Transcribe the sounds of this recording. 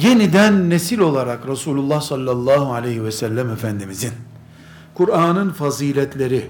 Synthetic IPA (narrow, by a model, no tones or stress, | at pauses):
je̞nid̪ænːesilʲo̞lˠaɾakɾasuːlʲulˠːahsalʲːalˠːaːɦualʲejɦivɛsælʲːæmefænd̪imizin | kʰuɾaːnɯnfaziːlʲɛt̪lʲe̞ɾi